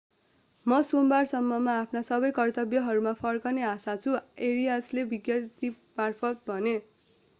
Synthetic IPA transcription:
mʌsombarsʌmːʌmaːpʰnasʌbʌjkʌrt̪ʌbjʌɦʌɾumapʰʌrkʌneasat͡sʰueɾijaslebiɡjʌt̪i | marpʰʌt̪̚bʱʌne

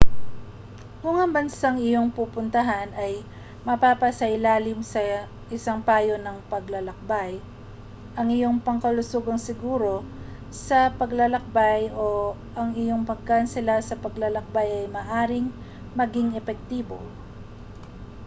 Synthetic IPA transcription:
kʊŋɐŋbɐnsaŋɪjo̞ŋpuːpʊnt̪ɐɦanɐj | mɐpapɐsɐʔɪlaːlɪmsɐ | ʔɪsaŋpaːjo̞nɐŋpɐɡlɐlɐk̚baj | ʔɐŋɪjo̞ŋpɐŋkɐlʊsoɡɐŋsɪɡuːɾo̞ | sɐpɐɡlɐlɐk̚bajʔo̞ | ʔɐŋɪjo̞ŋpɐɡ̚kansɪlasɐpɐɡlɐlɐk̚bajɐjmɐːʔaːɾɪŋ | mɐɡɪŋɛpɛk̚t̪iːbo

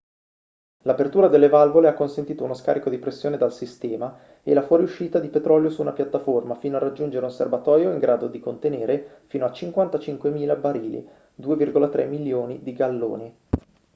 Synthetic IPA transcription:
lapert̪uːɾad̪elːevalvoleakːonsent̪iːt̪ounoska̰ːɾikod̪ipɾesːjoːned̪alsist̪ɛːma | ḛlafwɔɾiuʃːiːt̪ad̪ipet̪ɾɔljosuːnapjat̪ːaformafiːnoarːad͡ʒːund͡ʒeɾeunservat̪ɔːjoiŋɡɾʔaːd̪od̪ikont̪eneːɾefiːnoat͡ʃiŋkwant̪at͡ʃiŋkwemiːlabaɾiːlḭ | d̪uːevirɡolat̪ɾʔɛ̰mːiljoːnid̪iɡalːo̰ːni

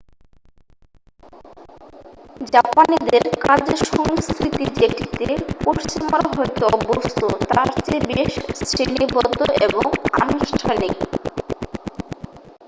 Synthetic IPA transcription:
d͡ʑapanid̪eɾkad͡ʑeʃɔŋskʰɾit̪id͡ʑeʈit̪epoɾt͡ɕimaɾɦɔjt̪oɔbost̪ʰot̪aɾt͡ɕebeʃsʰɾenibɔd̪ːoʔeboŋa̰nuʃʈʰanik

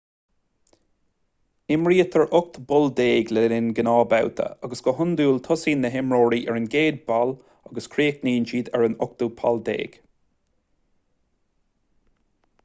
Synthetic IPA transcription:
ɪmɹiːət̪ʰəɹʔʊk̚t̪bʊld̪eːɡlɛɾɪnɡənɑːbawt̪ʰə̰aɡəsɡ̥ɔɦʊnd̪uːlt̪ʰɔsiːnːəɦɪmɹoːɹiːʔɛɹənɡeːd̪̚bal | aɡəskʰɾeːkniːnd͡ʒiːd̪ɛɹənʊk̚t̪upʰald̪ḛːɡ̥

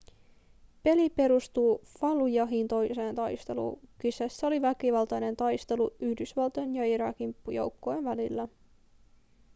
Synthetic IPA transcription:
pe̞lipe̞ɾust̪uːfɑlujɑɦint̪o̞jse̞ːnt̪ɑjst̪e̞̰lṵːkysæsːæo̞liʋækiʋɑlt̪ɑjne̞nt̪ɑjst̪e̞luyhdysʋɑlt̪oenjɑiɾɑ̰ːkimpːujo̰wkːoenʋælilːæ

